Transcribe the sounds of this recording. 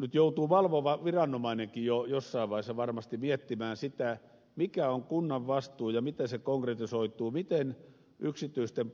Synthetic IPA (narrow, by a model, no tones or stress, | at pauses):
nyt̪jout̪uːʋɑlʋoʋɑʋirɑnːomɑineŋkijojosːɑiʋʋɑisːɑʋɑrmɑst̪imiet̪ːimæːnsit̪æ | mikæoŋkunːɑʋʋɑst̪uːjɑmit̪esekoŋkret̪isoit̪uːmit̪en | yksit̪ˑyist̪em